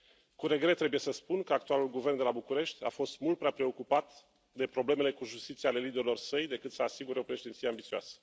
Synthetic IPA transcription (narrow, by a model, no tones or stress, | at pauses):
kuɾe̞ɡɾe̞t̪ːɾe̞buje̞səspunkəak̚t̪ualulɡuve̞rnd̪e̞labukuɾe̞ʃt̪ʲa̰fo̞st̪mult̪̚pɾeapɾe̞o̞kupat̪ | d̪e̞pɾo̞ble̞me̞le̞kuʒust̪it̪siale̞lid̪e̞ɾilo̞rsəjd̪e̞kɨt̪səasiɡuɾeo̞pɾe̞ʃed̪ent̪sijeambit̪sioa̰sə̥